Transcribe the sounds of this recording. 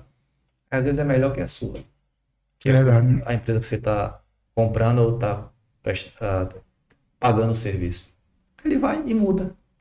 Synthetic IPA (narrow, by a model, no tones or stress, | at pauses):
azvezɪzɛmɛʎɔɾkɪɛ̰sṵɐ̰ | kɛvɛd̪ad͡ʒɐ̰ẽpɾezɐkɪ̥set̪a | kõmpɾɐ̃d̪ʊot̪a | pɾɛʃa | paɡɐ̃nd̪ʊseɾvisʊ̥ | elɪvajɪmud̪ɐ